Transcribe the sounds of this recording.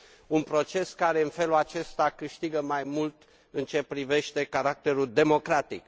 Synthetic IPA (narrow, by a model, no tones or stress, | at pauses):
unpɾo̞t͡ʃe̞skaɾe̞ɨnfe̞lulat͡ʃe̞st̪akɨʃt̪iɡəmajmult̪ | ɨnt͡ʃe̞pɾive̞ʃt̪e̞kaɾak̚t̪e̞ɾuld̪e̞mo̞kɾat̪ik̚